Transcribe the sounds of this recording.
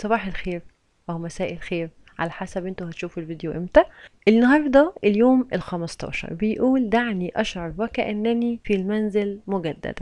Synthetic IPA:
sˤɑbɑːħelxeːɾ | wæwmæsæːʔelxeːɾ | ʕa̰læħasæbʔent̪ohæt̪ʃuːfelvid̪joʔemt̪æʔelnːɑɦɑːɾˤd̪ˤɑʔeljoːmelxæmɑst̪ˤɑ̰ːʃɑ̰ɾˤbejʔuːld̪aʕniʔɑʃʕɑɾˤwækæʔænːænifilmænzelmoɡæd̪ːæ̰d̪̥æ

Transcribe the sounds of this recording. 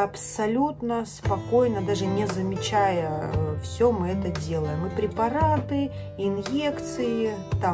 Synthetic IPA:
ɐpsɐlʲut̪nəspɐko̞jnəd̪aʐɨnʲɪzəmʲɪt͡ɕajəfsʲomɨɛt̪ədʲe̞lˠəjɪmɨpɾʲɪpɐɾat̪ɨ | ɪnjekt̪sɨjɪ | t̪a

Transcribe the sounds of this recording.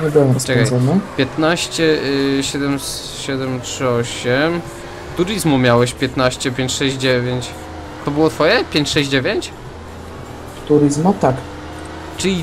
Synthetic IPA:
ɲɛbɘwɛmɾɔst͡ʂɛkajzanapʲjɛt̪naɕt͡ɕɛɕɛd̪ɛm | ɕɛd̪ɛmtʂɘɔɕɛm | t̪uɾɨzmumʲjawɛɕpʲjɛt̪naɕt͡ɕɛpʲjeɲt͡ɕʂɛɕʑd͡ʑd͡ʑevʲjeɲt͡ɕ | t̪ɔbɘwɔt̪fɔjɛpʲjeɲt͡ɕʂɛɕd͡ʑd͡ʑevʲjeɲt͡ɕ | t̪uɾɘzmat̪ak | t͡ʂɘlʲi

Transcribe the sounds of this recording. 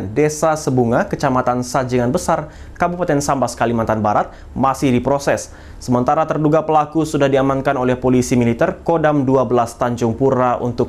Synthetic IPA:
ndesasəbuŋakət͡ʃamat̪ansad͡ʒəŋanbəsar | kabupat̪ɛnsambasə̥kalimant̪anbaɾat̪̚ | masɪhdipɾosɛsː | əmənt̪aɾat̪ərduɡapəlakusudahdiamankanolɛhpolisimilit̪ɛrkodamduabəlast̪aɲd͡ʒʊŋpuɾaʔṵnt̪ʊk̚

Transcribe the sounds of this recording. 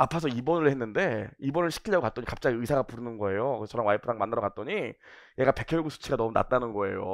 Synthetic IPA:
apʰasʰʌibʌnɯɭhenːɯnde̞ibʌnɯɭɕʰi̥kʰiʎːjʌɡokat͈ʌɲikap̚t͡ɕ͈aɡiɯsʰaɡapuɾɯnɯnɡʌe̞joɯt͡ɕʰʌɾanwaipʰɯdaŋmandɯɾʌkat̚t͈ʌɲi | je̞ɡape̞kʰjʌɭɡusʰu̥t͡ɕʰiɡanʌmuna̰t͈̚anɯnɡʌe̞jo̰

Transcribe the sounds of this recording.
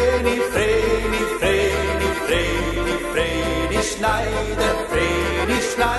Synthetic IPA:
nifɾenifɾe | nifɾe | nifɾe | niʃnaj | d̪əfɾeniʃna

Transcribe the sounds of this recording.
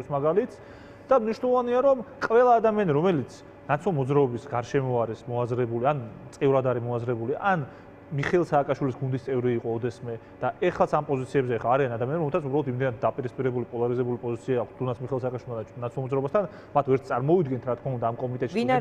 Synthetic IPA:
smaɡalit̪ʰs | d̪̥amniʃwnɛlˠɔvaniaɾɔmkʼvɛlˠaːd̪amianiɾɔmɛlit̪sʰ | nat̪sʰlɔmɔd̪zɾaɔbisɡaɾʃɛmɔaɾismɔazɾɛbuliant̪sʼivɾad̪aɾimɔazɾɛbuliʔan | miχɛlˠsaːkʼaʃwilisɡund̪ist̪ʼɛvɾiːqʼɔːd̪ɛsmɛd̪̥aɛχlˠat̪sʰampʼɔzit̪sʰiɛbzɛɛχaːɾianad̪amianɾɔmɛlsʰasʰubɾalɔt̪ʰimd̪ɛnat̪̚d̪apʼiɾispʼiɾɛbulipʼɔlˠaɾizɛbulipʼɔzit̪sʰiaːkʰt̪̚ʰd̪̥unat̪sʰmiχɛlˠs̬aːkʼaʃwilmanat̪sʰlˠmɔd̪zɾaɔbast̪ʰan | mat̪ʰvɛɾt̪ʰt̪ʼaɾmɔid̪ɡɛnt̪ʰɾat̪ʰkʰmaund̪aːmkʼɔmit̪ʼɛt̪ʃi

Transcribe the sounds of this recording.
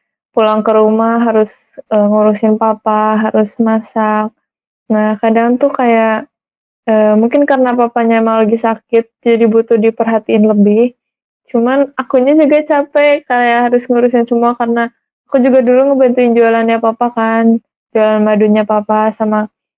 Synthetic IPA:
pulaŋkəɾumaɦaɾʊs | əŋuɾusɪnpapaɦaɾʊsmasak̚ | nahkadaŋnt̪ʊkajaʔ | əːmuŋkɪnkaɾənapapaɲaemaŋləɡɪsakɪt̪̚d͡ʒadibut̪ʊhdipərɦat̪iɪnləbɪh | t͡ʃumanakuɲad͡ʒuɡat͡ʃapɛkajaɦaɾʊsŋuɾusɪnsəmuakarənaː | kud͡ʒuɡaduluŋəbant̪uɪnd͡ʒualanɲapapakan | d͡ʒualanmaduɲapapasama

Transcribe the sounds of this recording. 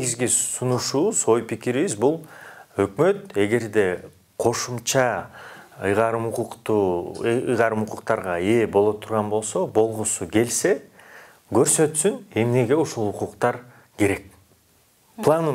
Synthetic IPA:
neɡizɡisunuʃuβuzo̞jpikiɾiβizbulˠø̞kmø̞t̪e̞ɡe̞ɾd̪e̞ | qʰo̞ʃumt͡ʃɑ | ɯjʁɑɾɯmuquqt̪u | jʁɑɾɯmuquqt̪ɑɾʁɑe̞bo̞lˠo̞t̪ʰːuɾʁɑnbo̞lˠso̞bo̞lˠʁusuɡe̞lse̞ | ɡø̞ɾsø̞t̪syne̞mne̞ɡe̞uʃulˠuquqt̪ɑɾ | ke̞ɾe̞k̚ | plˠanu

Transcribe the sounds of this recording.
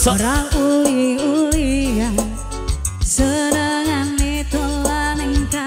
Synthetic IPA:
sɔɾaŋuliulian | səɾəŋanːit̪olanɪŋka

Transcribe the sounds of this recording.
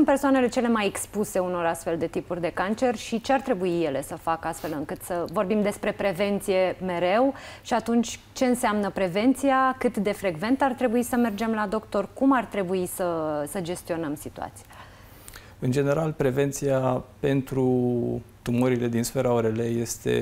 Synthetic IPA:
sunpesoane̞le̞t͡ʃe̞le̞majekspuse̞uno̞ɾast̪fe̞ld̪e̞t̪ipurʲd̪e̞kant͡ʃe̞rʲʃit͡ʃe̞art̪ɾe̞buije̞le̞səfakəast̪fe̞lɨŋkɨt̪səvo̞rbimd̪e̞spɾe̞pɾe̞ve̞nt̪sije̞me̞ɾe̞wʃiat̪unt͡ʃʲ | t͡ʃe̞ɨnsamnəpɾe̞ve̞nt̪sijakɨt̪d̪e̞fɾe̞ɡve̞nt̪art̪ɾe̞buisəme̞rd͡ʒe̞mlad̪o̞kt̪o̞rkumart̪ɾe̞buisəsəd͡ʒe̞st̪io̞nəmsit̪ṵa̰t̪si̥ja | ɨnd͡ʒe̞ne̞ɾalpɾe̞ve̞nt̪siape̞nt̪ɾu | t̪umoɾile̞d̪insfe̞ɾaoɾeleje̞st̪e̞̰

